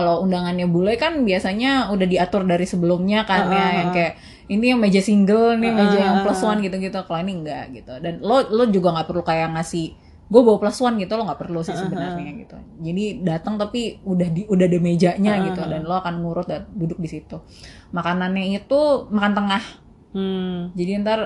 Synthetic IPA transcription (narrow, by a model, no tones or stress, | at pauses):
kaloundaŋanɲabulɛkanbiasaɲaudahdiat̪ʊrdaɾisəbəlʊmɲakanjajaŋkajaʔ | inijaŋmed͡ʒasiŋɡəlnɪmed͡ʒajaŋpəlasuanɡit̪uɡit̪ukaloiniəŋɡaʔɡit̪udanlolod͡ʒuɡaŋɡaʔpərlukajaŋasɪh | ɡuabawapəlasuanɡit̪uloŋɡaʔpərlusɪhsəbənarɲaɡḭt̪ṵd͡ʒadidat̪əŋt̪apiudahiudahdəmed͡ʒaʔɲaɡit̪udanloakanŋuɾʊt̪̚at̪̚dudʊk̚disit̪u | makananɲait̪umakant̪əŋah̩ | d͡ʒadiant̪ar